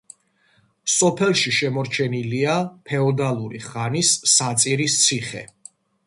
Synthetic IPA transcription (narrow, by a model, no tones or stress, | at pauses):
sɔpʰɛlˠʃiʃɛmɔɾt͡ʃʰɛniliapʰɛɔd̪alˠuɾiχanisːat̪sʼiɾist̪sʰiχɛ̰